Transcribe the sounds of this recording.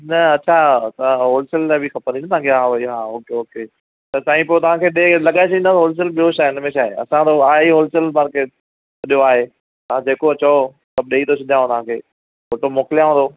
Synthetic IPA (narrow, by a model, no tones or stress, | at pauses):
nɐɐtːt͡ɕʰat̪ɦoːlɪsəllabʱixɐpəɾnd̪inət̪ɐ̃ãkʰeɦãʋɐiɦãːoːkeoːke | t̪ɐsaːĩpoːot̪ɐʋ̤ãːkʰeːɗelɐɠaːɪs̬ɐind̪aɦoːls̬əlbioʃaːɪnəmẽʃaːḛɐ̰sãt̪oaːiɦoːlsəlmaːɾkeːʈ̚ | ɐɗɪjoaːɦeː | t̪ɐãd͡ʑeːkoɐt͡ɕo | sɐb̚ɗeːit̪ot͡ɕʰɐd̪jãːõt̪ɐʋ̤ãkʰeː | koːʈomoːkɪlijãɦõːnd̪oː